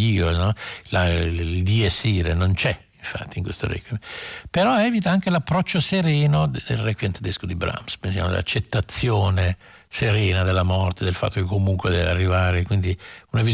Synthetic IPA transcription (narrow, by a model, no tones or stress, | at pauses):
iːonɔlaild̪iesːiːɾenont͡ʃɛiɱfa̰t̪ːiŋkwest̪o̰ɾɛ̰kjepeɾɔɛːvit̪aaŋk̟elapːɾɔt͡ʃːoseɾɛːnod̪d̪elrɛkwjent̪ed̪eskod̪ibɾa̰mspensja̰mod̪ḛla̰t͡ʃːet̪ːat̪sːjoːne | seɾɛːnad̪elːamɔrt̪ed̪elfa̰t̪ːokekːomuŋkwed̪ɛvearːivaːɾekwind̪iunavi